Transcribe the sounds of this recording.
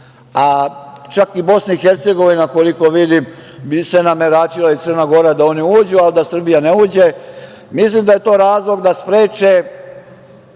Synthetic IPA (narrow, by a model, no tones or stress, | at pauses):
at͡ʃakibo̞snaixe̞ɾt̪seɡo̞ʋinakoliko̞ʋid̪im | bsenameɾaːt͡ʃilait̪ər̩naɡo̞ɾad̪ao̞niuːd͡ʑualid̪asr̩bijaneuːd͡ʑe̞ | mislimd̪aje̞t̪o̞ːɾaːzlˠo̞ɡd̪aspɾeːt͡ʃe